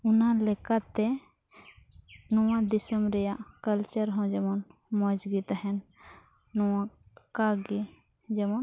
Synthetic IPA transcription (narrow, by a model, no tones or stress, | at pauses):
unalɛkat̪ɛ | nɔwãd̪isəmɾɛjaʔkəlt͡ʃəɾɦɔ̃d͡ʒɛmɔnmɔd͡ʒɡit̪aɦɛn | nɔwakaɡi | d͡ʒɛmɔn